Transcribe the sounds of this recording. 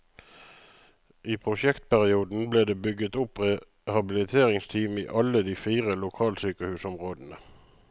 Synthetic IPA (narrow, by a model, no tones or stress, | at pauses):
ʔiːpʰʁʊʃɛkt̪̚pæʁɪuːd̪n̩bleːd̪eːbʏɡət̪ʊpʁɛ | hɑbɪlɪt̪ʰeːʁɪŋst̪ʰiːmḭːʔɑləd̪iːfiːʁəlʊkʰɑːlsyːkəhʉːsɔmʁoːd̪ən̩ə